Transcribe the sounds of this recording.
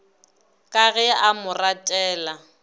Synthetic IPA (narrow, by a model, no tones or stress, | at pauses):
kʼaɣɛaʔamʊratʼɛːla